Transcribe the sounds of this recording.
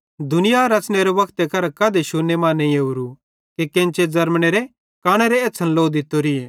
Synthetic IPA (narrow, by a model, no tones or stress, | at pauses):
d̪ʊnɪjaɾɐt͡ʃneɾɛʋɐkʰt̪ekʰɐɾkɐːd̪eʃunːemaːnːẽeuɾu | kekẽːnt͡ʃed͡zɐɾmɽ̃eɾe | kaːɽ̃ɛɾeeːtːsʰənloːd̪ɪt̪ːoɾɪeː